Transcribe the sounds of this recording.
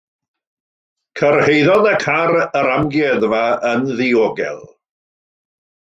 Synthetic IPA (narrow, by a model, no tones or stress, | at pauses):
kʰərhejðɔnəkʰaɾəɾamɡjɛðvaənðɪoɡɛ̰lˠ